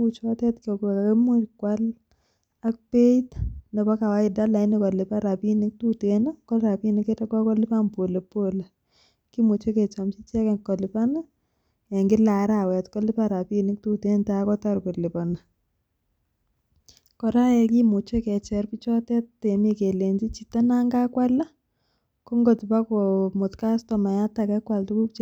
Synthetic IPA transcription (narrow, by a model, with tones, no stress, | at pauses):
ut͡ʃɔ˦tɛ˦tkɔ˨kɛ˨ka˨kɛ˦mu˦kwal | a˦k̚pe˦itnɛ˨ba˦ka˨wa˦ɪda˦la˨ɪ˦nikɔ˨lɪ˨pa˦ɾa˨pi˦nɪ˦k̚tutena˦kɔ˦lɾa˨pi˦niketɛ˦ka˦kɔ˦lɪ˦pa˦mpo˨le˨po˦la˨ | ki˦mʊ˨t͡ʃɛ˦kɛ˨t͡ʃamt͡ʃi˦t͡ʃɛ˦kɛ˨kːɔ˨lɪpa˦na˦ | ja˨ŋɡɪ˦la˨˦ɾa˨wɛ˨tkɔ˦lɪ˦pa˦ɾa˨pi˦nɪ˦k̚tu˦te˦nta˦kɔ˦ta˦rkɔ˨lɪ˨pɔ˨na˨ | kɔ˨ɾa˦jɛ˨ki˦mu˨t͡ʃe˦kɛ˨t͡ʃɛ˨rpi˦t͡ʃɔ˦tɛ˦te˨mi˦ke˨le˨ɲd͡ʒi˦t͡ʃita˦na˦ŋɡa˦kwa˦la˦ | kɔ˦ŋɡɔ˨ti˨pa˦kɔ˨mʊ˨tka˦stɔ˨ma˨ja˦ta˨kɛ˦kwa˨ltu˦ku˦pt͡ʃ